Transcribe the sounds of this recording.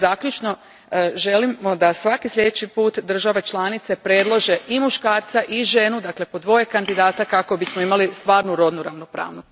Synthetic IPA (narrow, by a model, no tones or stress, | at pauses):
zakʎut͡ʃno̞ | ʒe̞lio̞d̪asʋakislʎʲe̞d̪et͡ʃipuːt̪d̪r̩ʒaʋe̞t͡ʃlˠanit̪se̞pɾed̪lˠoʒe̞imuʃkaːɾt̪saʔiʒe̞nud̪akle̞po̞d̪ʋo̞je̞kand̪id̪aːt̪akako̞bismoimalist̪ʋaːɾnuɾo̞d̪nuɾaʋnopɾa̰ːʋnot̪